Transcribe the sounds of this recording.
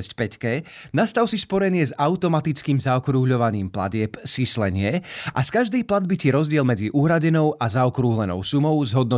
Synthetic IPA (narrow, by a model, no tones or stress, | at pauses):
ɛscpɛckɛnast̪aʊsispɔɾɛnɪɛzaʊt̪ɔmat̪it͡skiːmzaɔkɾuɦʎɔʋaɲiːmpla̰ɟɪɛpsislɛɲɪɛʔa̰skaʒd̪ɛjplad̪̚bicɛɾɔzɟɪɛlmɛd͡ziʔuːɦɾaɟɛnɔʊʔazaɔkɾuɦlɛnɔ̰ʊsumɔʊzɦɔd̪̚nɔ